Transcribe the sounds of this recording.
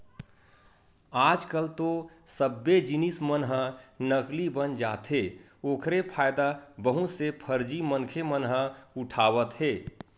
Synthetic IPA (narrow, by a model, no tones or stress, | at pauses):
aːd͡ʒkəlt̪o | səbːed͡ʒinismənɦənəklibənd͡ʒaːt̪ɦe | oːkʰɾepʰaːɪd̪abəɦũsepʰəɾd͡ʒimənkʰemənɦəʊʈʰaːʋət̪ɦeː